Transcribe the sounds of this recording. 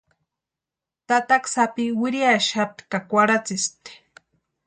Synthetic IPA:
t̪at̪aksapiwɪɾiaʃat̪kakʷaɾat͡sist̪e̥

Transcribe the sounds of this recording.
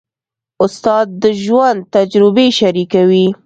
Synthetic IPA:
ʊst̪ɑd̪̚ːəʒwand̪t̪ad͡ʒɾɪbeʃaɾikawi

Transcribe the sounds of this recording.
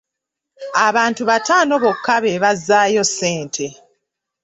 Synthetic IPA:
aβaːntuβataːnoβo̞kʰːaβeβazːaːjo̞sːeːntʰe̞

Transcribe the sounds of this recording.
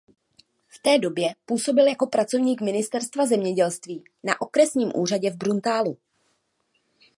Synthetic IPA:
ft̪ɛːdo̞bjɛpuːso̞bɪljako̞pɾat͡so̞vɲiːkmɪnɪst̪ɛɾst̪vazɛmɲɛɟɛlst̪viː | naʔo̞kɾɛsɲiːmʔuːraɟɛvbɾunt̪aːlu

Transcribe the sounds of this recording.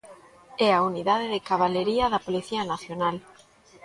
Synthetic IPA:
ɛauniðaðeðɪkaβ̞aleɾiaðapoliθianaθjonal

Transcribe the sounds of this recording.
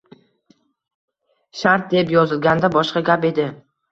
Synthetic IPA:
ʃaɾt̪̚d̪epjɒzɪlˠɡʲand̪abɒʃqɑɡʲape̞d̪ɪ

